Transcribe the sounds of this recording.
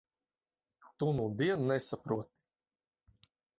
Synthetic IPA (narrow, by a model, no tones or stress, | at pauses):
t̪unud̪iɛnnɛsapɾuɔt̪i̥